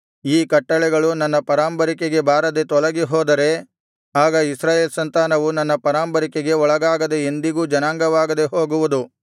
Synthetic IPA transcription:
iːkɐʈːɐɭɛɡɐɭunɐnːɐpɐɾaːmbɐɾikeɡe̞bʱaːɾɐd̪e̞t̪ɔɭɐɡiɦɔːd̪ɐɾe̞ | aːɡɐisɾaːjeːlsɐnt̪aːnɐʋunɐnːɐpɐɾaːmpɐɾikeɡe̞ɔɭɐɡaːɡɐd̪e̞ːnd̪iɡuːd͡ʒɐnaːŋɡɐʋaːɡɐd̪e̞ɦoːɡuʋud̪u

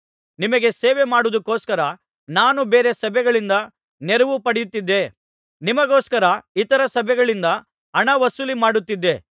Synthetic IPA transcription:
nimɐɡe̞seːʋemaːɽud̪ukːoːskɐɾɐ | naːnubeːɾesɐbʱɛɡɐɭind̪ɐ | neɾuʋupɐɽijut̪ːid̪ːe̞ | nimɐɡoːskɐɾɐit̪ɐɾɐsɐbʱɛɡɐɭind̪ɐ | ɐɳɐʋɐsulimaːɽut̪ːid̪ːe̞

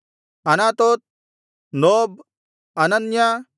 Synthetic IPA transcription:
ɐnat̪ot̪̚ | nob̚ | ɐnɐnja

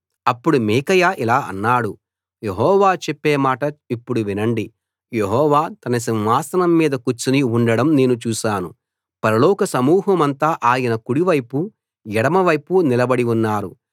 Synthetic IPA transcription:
ɐpːuɽumiːkɐjaːʔilaːʔɐ̰nːaːɽu | je̞ɦɔːʋaːt͡ʃepːeːmaːʈɐipːuɽuʋinɐɳɖi | jeɦɔːʋaːt̪ɐnɐs̬inʋaːsɐnɐmːiːd̪ɐkut͡ʃːuniuɳɖɐɽɐmne̞ːnut͡ʃuːʃaːnu | pɐɾɐlɔːkɐsɐmuːɦɐmɐnt̪aːʔaːjɐnɐkuɽiʋɐjpu | jɛɽɐmɐʋɐjpunilɐbɐɽiunːaːɾu

